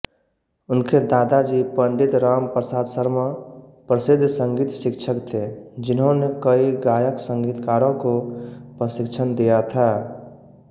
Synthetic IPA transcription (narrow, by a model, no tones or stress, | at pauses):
ʊnked̪aːd̪ad͡ʒipəɳɖɪt̪ɾaːmpɾəsaːd̪səɾmapɾəsɪd̪ʱːsə̃ŋɡiːt̪ʃɪkt͡ʃʰəkt̪ʰed͡ʒɪnɦõnekəiɡaːjəksə̃ŋɡiːt̪kaːɾõkopɾəsɪkt͡ʃʰənd̪ijat̪ʰa